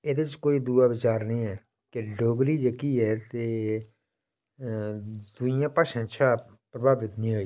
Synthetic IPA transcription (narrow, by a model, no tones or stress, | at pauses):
eːd̪eːt͡ʃkoːiːd̪uːaːʋɪt͡ʃaːɾnəĩːɛː | kɪɖoːɡɾiːd͡ʒeːkiːɛːt̪eː | d̪ʊjãːpaːʃə̃ːt͡ʃʰaː | pɾəbʱaːbɪt̪nĩːɦoːiː